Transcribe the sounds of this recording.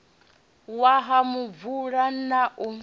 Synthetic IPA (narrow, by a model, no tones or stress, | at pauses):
waɦamuvuɺanaʔu